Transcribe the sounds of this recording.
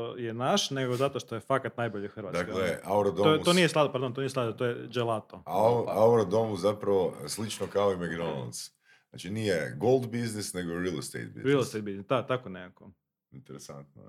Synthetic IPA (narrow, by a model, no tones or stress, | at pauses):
ojenaʃneɡozat̪oʃt̪o̞jefakat̪najboʎixr̩ʋatd̪akleʔauɾod̪oot̪onijeslad̪paɾd̪ont̪onijeslad̪dt̪t̪ojed͡ʒelˠat̪oaauɾod̪omuzapɾaʋoslit͡ʃnokaoimeɡd̪ola̰ns | at͡ʃinijeɡolˠd̪biznisneɡoɾilˠst̪ḛjt̪̚bḭzɾilˠst̪ejt̪̚biznisd̪at̪akonekako | int̪eɾesant̪no̰